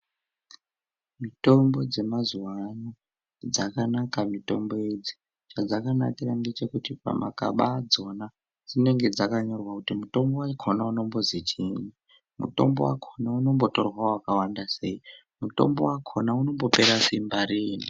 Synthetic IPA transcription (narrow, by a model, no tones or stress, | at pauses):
mito̞mbo̞d͡ze̞mazuwano | d͡zakanakamito̞mbo̞ed͡zi̥ | t͡ʃad͡zakana̰kirande̞t͡ʃe̞kutipa̰mʔa̰ka̰ɓad͡zo̞na | d͡zine̞ŋɡe̞d͡zakaɲo̞rwakutimuto̞mbowakʰonauno̞mbo̞zit͡ʃini | mṵto̞̰mbo̞wa̰kʰonauno̞mbo̞to̞rwaowakawandase̞i | muto̞̰mbo̞wakʰo̞nauno̞mbo̞pe̞ɾasimbaɾiːni